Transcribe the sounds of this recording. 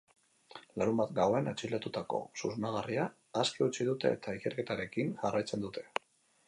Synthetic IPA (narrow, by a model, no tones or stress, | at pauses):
laɾumbat̪ɡawe̞nat͡ʃilat̪ut̪ako̞̰suznaɣ̞ariaː | skiut͡siðut̪e̞̰ːt̪aike̞ɾke̞t̪aɾe̞kinʝarajt͡se̞nd̪ut̪ʰe̞̥